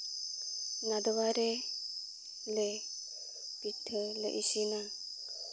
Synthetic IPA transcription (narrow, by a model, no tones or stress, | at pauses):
nad̪ɔwaɾɛ | lɛ | pit̪ʰːələ̰ʔisina